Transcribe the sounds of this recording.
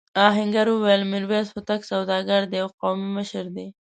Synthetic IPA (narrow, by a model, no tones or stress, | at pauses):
ɑɦɪŋɡaɾuwajəlmɪɾwezhʊt̪aksawd̪ɑɡaɾd̪ejawqomiməʃəɾd̪e